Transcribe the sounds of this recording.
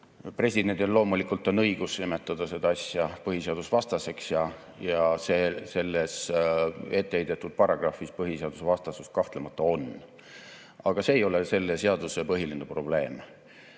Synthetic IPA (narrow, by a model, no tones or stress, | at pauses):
pre̞sʲid̪e̞nt̪ʲonlo̞ːmulikult̪ːɑnɤiɡ̥usimet̪ːˑɑd̪̥ɑse̞d̪̥ɑɑsʲjɑpɤɦiseɑd̪usvɑst̪ɑse̞ksjɑ | jɑse̞ːse̞lːes | e̞t̪ˑːeejd̪et̪ːˑud̪̥̚pɑrɑɡ̥rɑfispɤɦiseɑd̪̥use̞vɑst̪ɑsust̪̚kɑht̪lemɑt̪ˑːɑo̞n | ɑɡ̥ɑse̞ːjo̞lese̞lːese̞ɑd̪̥use̞pɤɦilinepro̞b̥le̞ːm